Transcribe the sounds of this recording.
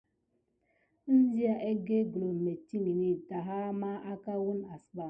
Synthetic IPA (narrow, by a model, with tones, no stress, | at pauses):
n̩˦zi˦a˨ʔe˦ɡe˦ɡlo˨me˨ti˦ni˨ni˨da˨ɦa˦ma˦a˦ka˦wu˦na˨sba˨